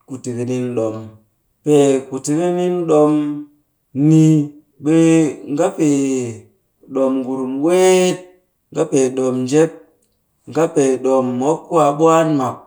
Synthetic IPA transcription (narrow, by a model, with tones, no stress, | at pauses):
ku˨ti˨ke˨ni˦nɗo˨m | pe˨ku˨ti˨ke˦ni˦nɗo˧m | ni˦ | ɓe˦ŋɡa˦pe˨ | ɗo˨mɡu˨ɾu˨mwe˦t̚ | ŋɡa˦pe˨ɗo˨md͡ʒe˦p̚ | ŋɡa˦pe˨ɗo˨mːo˦kːu˦wa˨ɓu˦a˦nma˨p̚